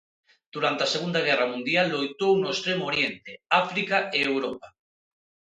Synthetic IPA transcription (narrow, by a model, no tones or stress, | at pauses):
d̪̥uɾant̪easeɣ̞und̪aɣ̞ɛramũnd̪jalːojt̪ownoest̪ɾemooɾjent̪eafɾikaʔeːwɾopa